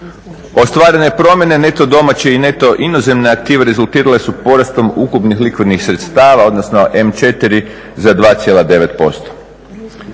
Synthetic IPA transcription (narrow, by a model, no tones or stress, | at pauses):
o̞st̪ʋaːɾene̞pɾo̞mje̞ne̞ne̞t̪o̞d̪o̞mat͡ɕeine̞t̪o̞ʔinoze̞mneak̚t̪iːʋeɾezulˠt̪iːɾale̞supo̞ɾast̪o̞mukupnixlikʋid̪nixsɾe̞t̪st̪aːʋao̞d̪nosno̞ʔe̞mt͡ʃe̞t̪iɾi | zad̪ʋaːt̪sʲje̞lad̪e̞ʋe̞t̪po̞̰st̪o̥